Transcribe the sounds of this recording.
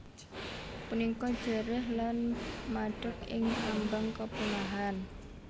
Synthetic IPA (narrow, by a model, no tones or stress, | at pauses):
punikɔd̥ʒ̥ə̤ɾɪhlanmaɖ̥ə̤kɪ̰ŋʔambaŋkəpunaɦan